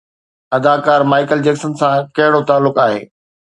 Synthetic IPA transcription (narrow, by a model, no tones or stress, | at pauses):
ɐd̪aːkaːɾmaːɪkəld͡ʑɛːksənsãkɐɦɪɽot̪aːlːʊkaːɦḛː